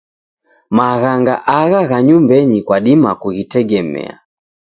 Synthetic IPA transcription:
maɣaŋɡa̰ʔaɣaɣaɲumbɛɲikwaɗimakuɣitɛɡɛmɛ̰a̰

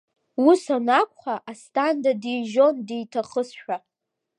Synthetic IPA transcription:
wusanakʷʼχaʔastʰʼandadijʒo̞ndejtʰaχəsʃᶣa

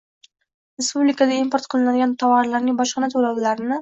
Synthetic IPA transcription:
ɾe̞spublɪkad̪aimpoɾt̪qʰɨlˠɪnad̪ɪɡʲant̪ʰɒwɒɾlaɾnɪŋbɒʃqɨnat̪ʰolawlaɾɪnɪ

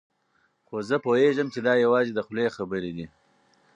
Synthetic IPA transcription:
xozəpoeʒəmt͡ʃed̪ɑjawɑːzed̪əxlexabəɾid̪i

